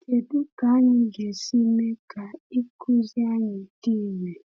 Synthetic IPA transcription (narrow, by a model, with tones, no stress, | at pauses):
tʰe˨ɗu˦ɡ̥a˨˦ɲi˦ŋɡʱe˨si˦mɛ˦ɡ̥ʱa˨i˦kʰu˦zja˦ŋe˨tiː˦˨mɛ˨